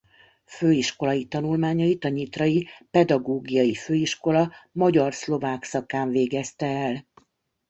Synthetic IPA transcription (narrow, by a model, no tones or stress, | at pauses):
føːiʃko̞lɒjit̪ɒnulmaːɲɒit̪ɒɲit̪rɒjipɛd̪ɒɡoːɡijɒjiføːiʃko̞lɒmɒɟɒrslo̞vaːksɒkaːɱveːɡɛst̪ɛːl